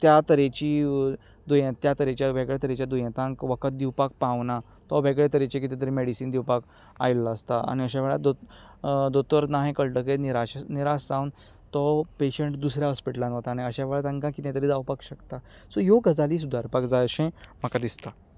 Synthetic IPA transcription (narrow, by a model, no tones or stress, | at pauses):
t̪jat̪əɾet͡ɕiː | d̪ujãt̪jat̪əɾẽt͡ɕjaʋeɡɭet̪əɾet͡ɕjad̪ujãt̪ãŋkʋəkət̪̚d̪iwpak̚pãʋna | t̪ɔbʱeɡɭet̪əɾet͡ɕẽk̬it̪ẽt̪əɾimeɽisiːnd̪iwpak | a̰jlːaəst̪aa̰ñiəɕ̬aʋɛɭad̪o | d̪ot̪əɾnaɦẽkəɭʈəkeniɾaɕniɾasd͡zawn | t̪ɔpeɕəɳʈd̪usɾjaɦɔspiʈəlãnɦot̪aneəɕaʋeɭat̪ãŋkãkit̪ẽt̪əɾid͡z̪awpakɕəkt̪asɔjoɡəd͡zaliːsud̪ʱaɾpakd͡zajəɕẽm̤əkad̪ist̪a